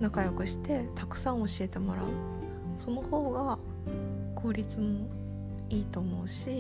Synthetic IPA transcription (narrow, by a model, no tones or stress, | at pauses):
nakajokɯ̟ɕi̥t̪e̞t̪akɯ̟̥sãɰ̃o̞ɕie̞t̪e̞mo̞ɾa̰ɯ̟ | so̞no̞ho̞ːɡa | kɯːɾʲit͡sɨmo | iːt̪o̞ːmo̞ɯ̟ɕi